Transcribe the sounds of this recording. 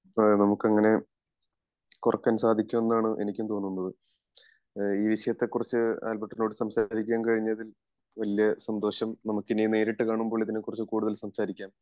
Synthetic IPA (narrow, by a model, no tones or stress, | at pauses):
onɐmukːɐŋːɐne̞ | kurɐkːɐnusaːd̪ʱikʲːume̞nːaːɳɨʔe̞nikʲːumt̪o̞ːnːunːɐðɨ | iːʋiʂɐjɐt̪ːe̞kːurɐt͡ɕːɨa̰ːlpɐʈːɐno̞ːɽɨsɐmsaːɾikʲːaːmkɐɻiɲːɐðil | ʋɐlijɐsɐnd̪o̞ːɕɐmnɐmukːinine̞ːɾiʈːɨkaːɳumbo̞ːɭit̪ðinekːurɐt͡ɕːɨkuːɽuðɐlsɐmsaːɾikʲːaːm